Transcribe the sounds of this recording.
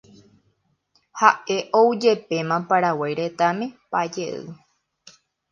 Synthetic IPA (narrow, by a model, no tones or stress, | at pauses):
haʔe̞ʔowd͡ʒe̞pe̞mãpaɾawajɾet̪amẽpad͡ʒeʔɨ̰